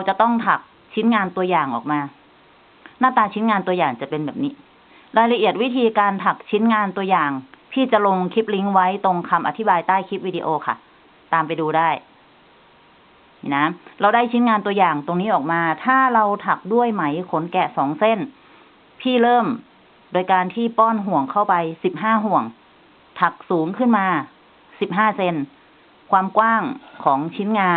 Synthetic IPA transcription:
ɾa˧wt͡ɕa˨˩t̪ɔ˥˩ŋt̪ʰa˨˩k̚ | t͡ɕʰi˦˥nŋaː˧nt̪u˧ɐjaː˨˩ŋʔɔː˨˩k̚maː˧ | naː˥˩t̪aː˧t͡ɕʰi˦˥nŋaː˧nt̪u˧ɐjaː˨˩ŋt͡ɕa˨˩pe˧nbɛː˨˩p̚niː˦˥ | ɾaː˧jla˧ʔi˨˩ət̪̚wi˦˥t̪ʰiː˧kaː˧nt̪ʰa˨˩k̚t͡ɕʰi˦˥nŋaː˧nt̪u˧əjaː˨˩ŋpʰiː˥˩t͡ɕa˨˩lo˧ŋkʰi˦˥p̚li˦˥ŋwa˦˥jt̪o˧ŋkʰa˧mʔa˧t̪ʰi˦˥baː˧jt̪aː˥˩jkʰi˦˥p̚wiː˧di˧ʔoː˧kʰa̰˥˩ | t̪aː˧mpa˧jduː˧daː˥˩j | i˨˩na˦˥ɾa˧wdaː˥˩jt͡ɕʰi˦˥nŋaː˧nt̪u˧əjaː˨˩ŋt̪o˧ŋniː˦˥ʔɔː˨˩k̚maː˧t̪ʰaː˥˩ɾa˧wt̪ʰa˨˩k̚du˥˩əjma˩˦jkʰo˨˩˦nkɛ˨˩sɔː˩˦ŋse˥˩n | pʰiː˥˩ɾɤː˥˩m | doː˧jkaː˧nt̪ʰiː˥˩pɔː˥˩nɦu˨˩əŋkʰa˥˩wpa˧jsi˨˩p̚ɦaː˥˩ɦu˨˩əŋ | t̪ʰa˨˩k̚suː˩˦ŋkʰɯ˥˩nmaː˧ | si˨˩p̚ɦaː˥˩se˧n | kʰwaː˧mkwaː˥˩ŋkʰɔː˩˦ŋt͡ɕʰi˦˥nŋaː˧

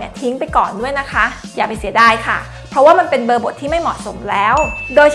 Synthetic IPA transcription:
ni˥˩ɐt̪ʰi˦˥ŋpa˧jkɔː˨˩ndu˥˩əjna˦˥kʰa˦˥ | jaː˨˩pa˧jsi˩˦ɐdaː˧˩jkʰa˥˩ | pʰɾɔ˦˥waː˥˩ma˧npe˧nbɤː˧bo˨˩t̪ʰːiː˥˩ma˥˩jmɔ̰˨˩t̪̚so˩˦mlɛː˦˥wdoː˧j

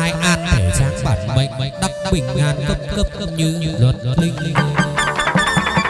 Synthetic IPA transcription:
aː˧jʔaː˧nt̪ʰə˨˩zaː˨˦ŋɓa̰ː˨˩nɓə̰˧˨j̟ŋ̟ɗa˦˥k͡p̚ɓï˨˩ŋ̟ʔaː˧nk̪ə˦˥p̚k̪ə˦˥p̚ɲɨ˧zwə˨˩t̚lï˧ŋ̟˧

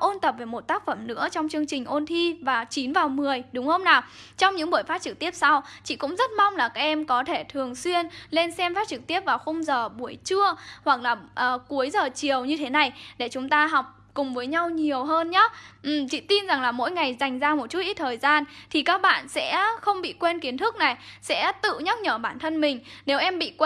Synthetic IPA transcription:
ʔo˧nt̪ə˨˩p̚ve˧˩mo˨˩t̚t̪aː˦˥k̚fə˧˩mnɨ̰˧˥ət͡ɕɔ˧wŋ͡mt͡ɕɨ˧əŋt͡ɕï˨˩ŋ̟ʔo˧nt̪ʰi˧vaː˨˩t͡ɕi˨˦nvaː˨˩wmɨ˨˩əjɗʊ˨˦ŋ͡mhə˧wŋ͡mnaː˨˩t͡ɕɔ˧wŋ͡mɲɨ̰˧˥ɓu˧˩əjfaː˦˥t̚t͡ɕɨ˨˩k̚t̪i˦˥əp̚sa˧wt͡ɕḭ˧˨kʊ̰˧˥ŋ͡mzə˦˥t̚ma˧wŋ͡mlaː˨˩kaː˦˥k̚ʔɛ˧mkɔ˨˦t̪ʰe˧˩t̪ʰɨ˨˩əŋswi˧ənle˧nsɛ˧mfaː˦˥t̚t͡ɕɨ˨˩k̚t̪i˦˥əp̚vaː˨˩wxə˧wŋ͡mzəː˨˩ɓu˨˧˩əjt͡ɕɨ˧əhwa˨˩k̚laː˨˩ʔəː˨˩ku˨˦əjzəː˨˩t͡ɕi˨˩əwɲɨ˧t̪ʰe˨˦na˨˩jɗe˧˩t͡ɕʊ˨˦ŋ͡mt̪aː˧ɦɔ˨˩wk͡p̚kʊ˨˩ŋ͡mvəː˨˦jɲa˧wɲi˨˩əwɦəː˧nɲa˨˦ʔ̩˨˩t͡ɕḭ˧˨t̪i˧nza˨˩ŋlaː˨˩mo̰˧˥jŋa˨˩jza˨˩jŋ̟zaː˧mo˨˩t̚t͡ɕu˦˥t̚ʔi˦˥t̚t̪ʰəː˨˩jzaː˧nt̪ʰi˨˩kaː˦˥k̚ɓa̰ː˧˨nsɛ̰˧˥xə˧wŋ͡mɓḭ˧˨kwe˧nki˨˦ənt̪ʰɨ˦˥k̚na˨˩jsɛ̰˧˥t̪ɨ̰˧˨ɲə˦˥t̚ɲəː˧˩ɓaː˧˩nt̪ʰə˧nmï˨˩ŋ̟ne˨˦wʔɛ˧mɓḭ˧˨kw

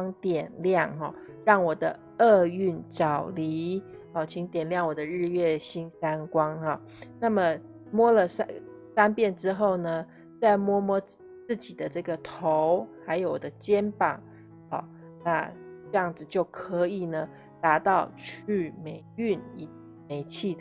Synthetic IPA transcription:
ŋt̪jɛ˨˩nljɑ˥˨˩ŋɦɔ̰˨˩ | ɻɑ˥˩ŋwɔ˨˩d̪ə˦ | ə˥˧y˥˩nt͡sɑ˨˩ʊli˧˦hɔ˨˩t͡ɕʰi˧˥ŋt̪jɛ˨˩nljɑ˥˩ŋwɔ˨˩d̪ə˦ɻɻ̩˥˧ɥɛ˥˩ɕi˥ŋsa˥nkwɑ˥ŋhɔ˥˨˩ | na˥˩mə˩ | mwɔ˥lə˨s | sa˥npjɛ˥˩nʈ͡ʂɻ̩˥xo˥˩ʊnə˩ | t͡sa˥˩ɪmwɔ˥mwɔ˥ | t͡sɹ̩˥˩t͡ɕi˨˩d̪ə˦ʈ͡ʂɤ˥˩ɡə˩t̪ʰo˧˦ʊxa˧˥ɪjo˧˨˩ʊwɔ˨˩d̪ə˦t͡ɕjɛ˦npɑ̰˨˩˦ŋ | hɔ̰˥˩ | na˥˧ʈ͡ʂɤ˥˧jɑ˥˩ŋd͡zɹ̩˨˩t͡ɕjo˥˩ʊkʰɤ˧˥i˨˩nə˩ | t̪a˧˥t̪ɑ˥˧ʊt͡ɕʰy˥˩me˨˩ɪy˥˩ni˨˩ | me˨˩ɪt͡ɕʰi˥˩

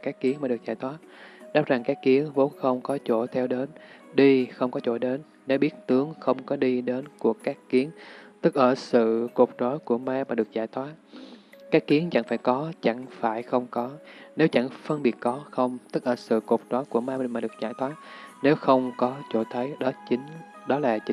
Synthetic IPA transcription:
kaː˦˥jkkːi˨˦əŋmaː˨˩ɗɨ˨˩ək̚zaː˧˩jt̪ʰwaː˨˦˥t̚ɗa˨˦˥p̚za˨˩ŋkaː˦˥jkːi˨˦əŋvo˨˦nxə˧wŋ͡mkɔ˨˦t͡ɕo˧˩t̪ʰɛ˧wɗe˨˦n | ɗi˧xə˧wŋ͡mkɔ˨˦t͡ɕo̰˧˩ɗe˨˦nːe˨˦wɓi˦˥ət̚t̪ɨ˨˦əŋxə˧wŋ͡mkɔ˨˦ɗi˧ɗe˨˦nku˧˩əkaː˦˥kːi˨˦əŋt̪ɨ˦˥k̚ʔəː˧˩sɨ̰˧˨ko˨˩k͡p̚t͡ɕɔ˨˦jku˧˩əmaː˧maː˨˩ɗɨ˨˩ək̚zaː˧˩jt̪ʰwaː˨˦˥t̚kaː˦˥kːi˨˦əŋt͡ɕa̰˧˩ŋfaː˧˩jkɔ˨˦t͡ɕa˧˩ŋfaː˧˩jxə˧wŋ͡mkɔ˨˦ne˨˦wt͡ɕa̰˧˩ŋfə˧nɓi˨˩ət̚kɔ˨˦xə˧wŋ͡mt̪ɨ˦˥k̚ʔəː˧˩sɨ̰˧˨ko˨˩k͡p̚tɔ˨˦jku˧˩əmaː˧˨˩maː˨˩ɗɨ˨˩ək̚zaː˧˩jt̪ʰwaː˨˦˥t̚ne˨˦wxə˧wŋ͡mkɔ˨˦t͡ɕo̰˧˩t̪ʰə˨˦jɗɔ˨˦t͡ɕï˨˦ŋ̟ | ɗɔ˨˦laː˨˩t͡ɕi˨˦

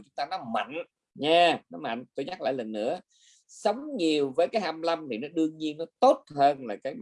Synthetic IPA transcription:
t͡ɕʊ˨˦ŋ͡mt̪aː˧nɔ˨˦ma̰˧˨jŋ̟ | ɲaː˧nɔ˨˦ma̰˧˨ŋ̟t̪o˧jɲa˦˥la̰ː˧˨jlə˨˩nːɨ̰˧˥ə | sə˨˦wŋ͡mɲi˨˩əwvəː˨˦jkaː˨˦jha˧mla˧mt̪ʰi˨˩nɔ˨˦ɗɨ˧əŋɲi˧ənːɔ˨˦t̪o˦˥t̚həː˧nlaː˨˩kaː˨˦j

